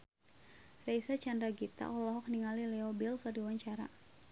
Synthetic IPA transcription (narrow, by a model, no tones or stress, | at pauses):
rejsat͡ʃandɾaɡit̪a̰ʔɔlɔɦɔk̚niŋalilɛɔbilkɔrdiwaɲt͡ʃaɾa̰